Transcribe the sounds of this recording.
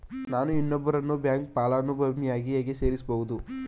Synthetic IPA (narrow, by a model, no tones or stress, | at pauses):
naːnuinːɔbːɐɾɐnːubjaːŋk̚paːlaːnubʱɐmijaːɡijaːɡese̞ːɾisɐboːɣud̪u